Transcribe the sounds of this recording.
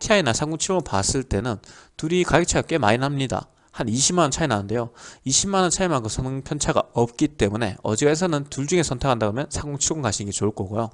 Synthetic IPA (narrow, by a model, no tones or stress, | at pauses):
tʰiainasʰaɡoŋt͡ɕʰiŋɯɭpa̰s͈ɯɭt͈e̞nɯntuɾikajek̚t͡ɕʰajʌk͈e̞ma̰inamɲida̰ | haniɕʰimanʌnt͡ɕʰainanɯnde̞joiɕʰimanʌnt͡ɕʰaimaɡosʰʌnɯŋpʰʌnt͡ɕʰaɡa̰ʌp̚k͈it͈e̞mune̞̰ʌ̰d͡ʑiɡaes̬ʰʌnɯntuɭd͡ʑuŋe̞sʰʌntʰekʰandaɡomjʌnsʰaɡoŋt͡ɕʰiɡoŋkaɕʰinɡet͡ɕoɭk͈ʌɡojo